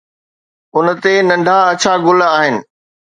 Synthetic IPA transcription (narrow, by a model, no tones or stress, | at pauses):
ʊnə̆t̪enɐ̃ɳɖʱaɐt͡ɕʰaɡʊlaːɦɪnɪ̆